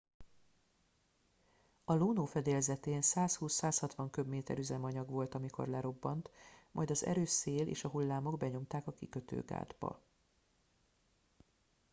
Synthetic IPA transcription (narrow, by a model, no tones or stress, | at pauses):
ɒloːnoːfɛd̪eːlzɛt̪eːnsaːshuːsːaːshɒt̪ʋɒŋkøbmeːt̪ɛ̰ɾyzɛmɒɲɒɡʋo̞lt̪ɒmikʰo̞̰rlɛɾo̞bːɒnt̪mʔɒ̰jd̪ɒzɛ̰ɾøːʃseːlḛːʃɒɦulːaːmo̞ɡbɛɲo̞mt̪aːkɒkikø̞t̪ø̰ːɡa̰ːd̪bɒ̰